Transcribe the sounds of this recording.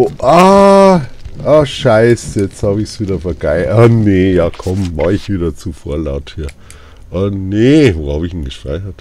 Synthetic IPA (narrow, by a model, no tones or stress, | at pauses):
oʔa | ʔaʃaɪsjɛt͡sthaːbɪçsviːdɐfɐɡ̥aɪanejɑːkʰɔmmɑχɪçv̥iːdɐt͡sufoːɐla̰ʊthiːɐ | ʔɐnevoːhaːbɪçn̩ɡəʃʁ̥a̰ɪçɐt